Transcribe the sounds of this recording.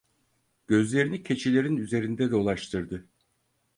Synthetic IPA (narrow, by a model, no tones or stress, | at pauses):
ɟ̥ø̞zlʲe̞ɾinicʰe̞t͡ʃʰilʲe̞ɾinyze̞ɾind̪ɛd̪ɛulˠaʃt̪ʰɯɾd̪ɯ